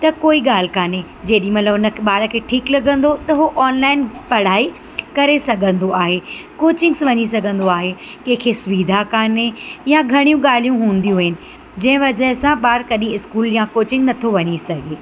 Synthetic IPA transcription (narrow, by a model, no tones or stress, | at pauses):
t̪ɐkoːiɠaːl̤ɪkaːne | d͡ʑeːɗĩmɐt̪ləbɦʊnə̆ɓaːɾəkʰeːʈʰiːklɐɡʱə̃nd̪ot̪ɐɦoʔɔːnlaːɪnpɐɽ̤aːi | kɐɾesɐɡʱə̃nd̪oaːɦekoːt͡ɕɪ̃ŋɡsʋɐɲisɐɡʱə̃nd̪oaːɦe | kɐ̃ɦɪ̃kʰesʊʋiːd̪ʱakaːnejaɡʱɐɽ̃ijũɠaːl̤ijũɦũːn̆d̪ijũɦɪnɪ̆ | d͡ʑɐ̃ɦɪ̃ʋɐd͡ʑəɦsãɓaːɾkɐɗĩɪskuːljãkoːt͡ɕɪ̃ŋɡnɐt̪ʰoʋɐɲisɐɡʱeː